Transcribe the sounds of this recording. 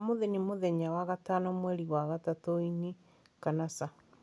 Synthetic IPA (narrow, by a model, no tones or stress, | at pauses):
moðenimoðɛɲawaɣatanɔmwɛɾiɣwaɣatatoine | kanasa